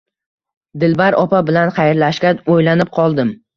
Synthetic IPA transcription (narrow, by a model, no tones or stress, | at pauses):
d̪ɪlbaɾɒpabɪlanχɑjɪɾlaʃkʲaojlanɪp̚qʰɒlˠd̪ɪm